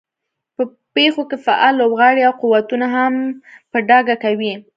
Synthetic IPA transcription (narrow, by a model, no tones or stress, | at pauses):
pə | pexokefaʔɑlːobɣɑɽiawquwat̪unaɦampəɖɑɡakawi